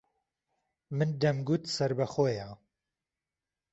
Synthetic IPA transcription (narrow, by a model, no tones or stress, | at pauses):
mɨnd̪ɐmɡut̪sɐɾbɐxoja